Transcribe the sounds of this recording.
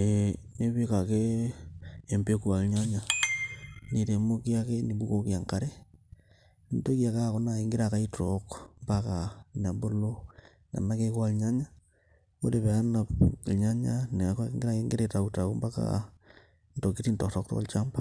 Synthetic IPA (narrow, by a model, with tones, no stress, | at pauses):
e˨ | ne˦βi˦ka˨keː˦˨ | mpe˦ku˨a˨lɲa˦ɲa˨ | ni˨te˨mo˦ki˦a˦ke˦ni˨bu˦ko˦kja˨ŋka˦ɾe˦ | nto˦ki˦a˨ka˦˨ko˨˦na˨e˨ŋɡi˦ɾa˨ka˦i˦to˨kmba˦ka˨na˨bo˦lo˦ | na̰˨na˦ke˦kwa˦lɲa˦ɲa˦ | ko̰˦de˨βe˨a˦na˨plɲa˦ɲa˦ne˨ka˦ŋɡiɾa˦ke˦ŋɡe˦ɾe˨ta˨u˦ta˨ku˦mba˦ka̰ | nto˨ki˦ti˦ntɔ˨ktɔ˦k̚to̰˦kːo̰˦lt͡ʃa˦mba˦